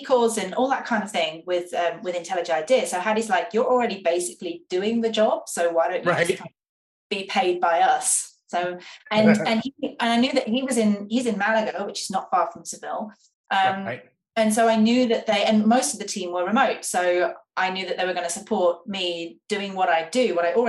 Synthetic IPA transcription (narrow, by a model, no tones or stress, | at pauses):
ikʰɔlˠzɨ̃nɔlˠðət̚kʰãɪ̃ndəv̥θɪ̃ŋwɪðʌ̃mwɪðɪ̃ntʰɛlˠɨd͡ʒɨ̃naɪdɪəsoʊɦaʊɾizlaɪkjə˞l̩ˠɹɛɾibeɪsɪklid̥ʉɪ̃ŋðɨd͡ʒɒb̥soʊwaɪɾõʊ̃ʔɨ̥kʰãɪ̃ | b̥ipʰeɪd̚baɪʌsː | oʊɨ̃nɨ̃niə̃naɪnjʉðɨʔ̚ɦiwɒzɪ̃nhizɨ̃nmæləɡəʊwɨt͡ʃɨznətfɑɹfɹʌ̃msəvɪlˠ | ʔʌ̃m | ɨ̃nsoʊaɪnjʉðɨʔ̪̚ðeɪʔɨ̃nmoʊstʌvðɨtʰĩmwəɹɨmoʊtsoʊʔaɪnjʉðɨʔ̪ðeɪwə˞ɡʌnəsəpʰɔɹt̚mid̥ʉɪ̃ŋwʌɾaɪdɨwʌɾaɪʔlˠɹ